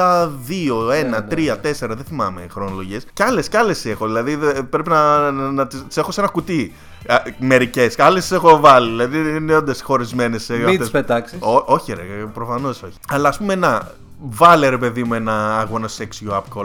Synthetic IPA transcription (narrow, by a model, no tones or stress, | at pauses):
ɐðio̞e̞nɐt̪ɾiɐt̪e̞se̞ɾɐðeθimɐme̞xɾono̞lo̞ʝiesceɐlescɐlese̞xo̞ðilɐðiðepɾe̞pinɐnɐt̪ist̪i̥sexo̞senɐkut̪i | me̞ɾice̞sɐlese̞xo̞vɐliðilɐðineond̪ɐsxo̞ɾizme̞neseospet̪ɐksisoʔo̞çiɾḛpɾo̞fɐno̞so̞çi̥ɐlɐːspumenɐ | vɐleɾepe̞ðimue̞nɐːɣonɐseksioɐpkol